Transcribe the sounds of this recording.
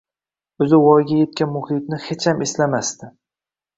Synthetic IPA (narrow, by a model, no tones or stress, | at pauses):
ɵzɪwɒjɡʲaje̞t̪̚kʲanmʊhɪt̪̚nɪhet͡ʃhamʔeslamast̪ɪ